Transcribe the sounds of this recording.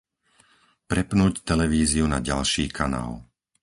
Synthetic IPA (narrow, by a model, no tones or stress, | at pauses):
pɾɛpnuːct̪ɛlɛʋiːziunaɟalʃiːkʰana̰ːl